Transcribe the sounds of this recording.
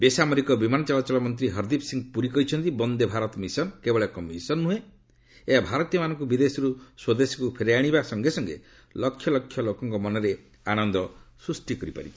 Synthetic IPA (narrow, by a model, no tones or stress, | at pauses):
besamɔɾikɔbimanɔt͡ʃɔlat͡ʃɔlɔmɔnt̪̬ɾiɦɔɾd̪ipsiŋɡpuɾikɔɦit͡ʃʰɔnt̪ibɔnd̪ebʱaɾɔt̪misɔnkebɔɭekɔmisɔnmue | eabʱaɾɔt̪ijɔmanɔŋkubid̪esɔɾuswɔd̪esi̥kupʰeɾeaɽ̃ibasɔŋɡesɔŋɡḛ | lɔkʰːjɔlɔkʰjɔlokɔŋkɔmɔnɔɾe | aɽ̃ɔnd̪ɔsɾusʈikɔɾipa̰ɾḭ